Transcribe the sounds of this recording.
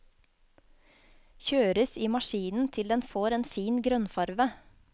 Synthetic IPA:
çøːɾəsiːmɑʃiːnn̩t̪ʰɪld̪ɛnfoːɾeːnfiːnɡɾœnfɑɾʋə

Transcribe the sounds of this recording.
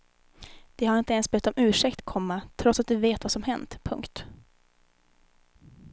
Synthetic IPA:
d̪̥ɛhaɾɪnt̪əɛnsbœt̪ːɔmʉ̟ːʂɛkt̪kʰɔmːat̪ʰɾɔt̪sat̪̚d̪ɵveːt̪vasɔmhɛnt̪pʰɵ̰ŋkt̪

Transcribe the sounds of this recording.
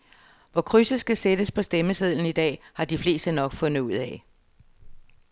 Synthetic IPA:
ʋɒkʰʁysəsɡ̥æsed̥əspʰɒ̽sd̥eməseð̰lˠn̩id̥ɛ̰ːhɑ̈d̥ifle̝ːsd̥ənɒ̽ɡ̥fɔ̽n̰ð̩ˠuð̞̰ˠɛ

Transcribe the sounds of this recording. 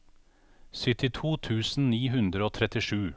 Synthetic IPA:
sɪt̪ɪt̪ʰuːt̪ʰʉːsn̩niːɦʉnd̪ɾəoːt̪ʰɾɛt̪ɪʃʉː

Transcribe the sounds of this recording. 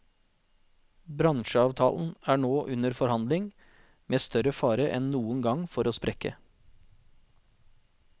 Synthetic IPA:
bɾɑŋʃəɑːʋt̪ʰɑ̰ːln̩æːɳoːʔʉnəɾfɔɾhɑnd̪lɪŋ | meːst̪ʰœɾəfɑːɾəʔɛnnuːənɡɑŋfɔɾʔoːspɾʔɛkə̰

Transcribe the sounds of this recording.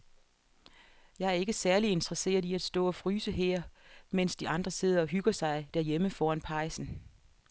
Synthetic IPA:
jɑ̈ɪæɐe̝ɡ̥əsæɐlie̝nd̥ʁɐse̝̰ːɐð̞ˠiæd̥sd̥ɔ̰̽ːɒ̽fʁyːsəɦeɐ̰men̰sd̥iɑ̈nd̥ʁɐse̝ð̞̰ˠɐɒ̽ɦyɡ̥ɐsɑ̈ɪd̥æɐjeməfɒːænpʰɑ̈ɪsn̩

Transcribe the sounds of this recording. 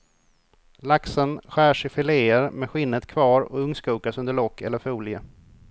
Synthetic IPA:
laksənɧæːʂɪfɪleːəɾmɛɧɪnːət̪kʰvɑːɾɔ̰ɵŋːskuːkasɵnd̪əɭɔkʰːɛ̰lːəɾfuːljə

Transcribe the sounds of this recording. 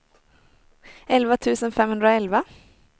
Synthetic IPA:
ɛlvat̪ʰʉ̟ːsənfɛmhɵnd̪ɾaɛlva

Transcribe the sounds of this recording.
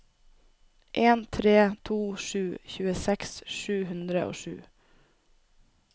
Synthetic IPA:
ʔeːnt̪ʰɾeːt̪ʰuːʃʉːçʉːəsɛksʃʉːhʉnd̪ɾəʔo̰ːʃʉ̰ː

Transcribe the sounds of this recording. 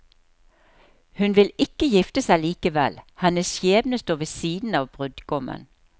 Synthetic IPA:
hʉnʋɪlɪkəjɪft̪əsæɪliːkəʋɛ̰lhɛnəsjeːbnəst̪oːʋəsiːd̪n̩ɑːʋbʁʉd̪ɡɔmə̰n

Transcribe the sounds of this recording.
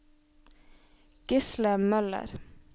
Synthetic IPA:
ɡ̥ɪsləmœlə̰ɾ

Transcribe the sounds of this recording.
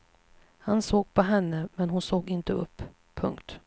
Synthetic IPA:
hansoːɡ̥̚pʰɔɦɛnːəmɛnɦʊnsoːɡɪnt̪əɵpːʰ | ɵŋkt̪

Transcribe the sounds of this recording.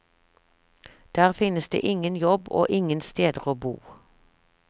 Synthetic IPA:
d̪̥æːʁfɪnəsd̪ḛːʔɪŋənjɔbo̰ːʔɪŋənst̪eːd̪əʁoːbṵː

